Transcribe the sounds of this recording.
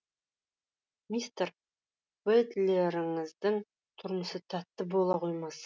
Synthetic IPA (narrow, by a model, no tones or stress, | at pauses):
mist̪eɾ | wed̪leɾɪŋəzd̪əŋ | t̪ʰʊɾməsət̪ʰæt̪ːɪbolˠɑqʰo̞jmɑs